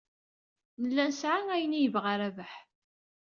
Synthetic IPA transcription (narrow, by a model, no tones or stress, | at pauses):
nəlːænsʕaŋæjənijəvʁaɾævəħ